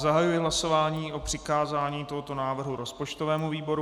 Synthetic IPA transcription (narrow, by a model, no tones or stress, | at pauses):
zaɦajujɪɦlaso̞vaːɲiːʔo̞pr̝̥ɪkaːzaːɲiːt̪oɦot̪o̞naːvr̩ɦuɾospo̞t͡ʃt̪ovɛːmuviːbo̞ɾu